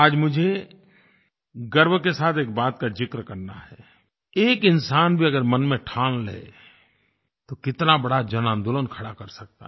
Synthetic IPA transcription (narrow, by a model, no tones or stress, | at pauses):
aːd͡ʒmʊd͡ʒʱe | ɡəɾbkesaːt̪ʰeːk̚baːt̪̚kad͡ʒɪkɾkɐɾna̰ɦɛː | eːkɪnsaːnbʱiɐɡəɾmənmẽʈʰãːnlḛː | t̪okɪt̪nabɐɽad͡ʒɐnãːnd̪ʊlənkʰɐɽakəɾsɐk̚t̪a̰ɦ